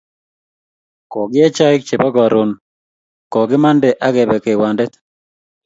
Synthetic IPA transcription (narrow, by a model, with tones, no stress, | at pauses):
kɔ˨ɡɪ˦ɛ˦t͡ʃa˦ɪ˦k̚t͡ʃe˨bɔ˦ɡɔ˨ɾo˨n | kɔ˨ɡɪ˦ma˦ndɛ˨ʔa˦ɡɛ˨bɛ˨ke˨wa˨ndɛ˦t̪